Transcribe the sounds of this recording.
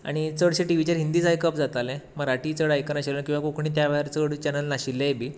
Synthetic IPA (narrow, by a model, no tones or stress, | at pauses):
a̰ɽ̃it͡səɽɕeʈiʋ̤it͡ɕaɾɦind̪iːd͡zajkəpd͡zat̪alẽməɡaʈiːt͡səɽajkəɾnaɕilənəkĩw̃ʋakokɳiːt̪jaʋaɾt͡səɽt͡ɕɛnəlnaɕilːeebʱiː